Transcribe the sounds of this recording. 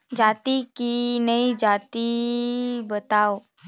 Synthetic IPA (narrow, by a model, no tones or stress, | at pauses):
d͡ʒat̪ikinəid͡zat̪i | bət̪aw